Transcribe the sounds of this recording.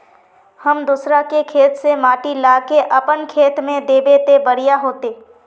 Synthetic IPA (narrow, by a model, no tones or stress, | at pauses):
həmd̪usɾakekʰeːt̪semaːʈilaːkeʔəpənkʰeːt̪mẽd̪eːbeːt̪ebəɾijaɦoːt̪eː